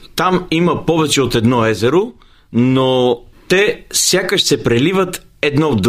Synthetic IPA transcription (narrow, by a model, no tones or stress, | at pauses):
t̪amiməpɔvɛt͡ʃɛot̪ɛd̪nɔɛzɛɾo | not̪ɛsʲjakəʃsɛpɾɛlivət̪ | ɛd̪nɔd̪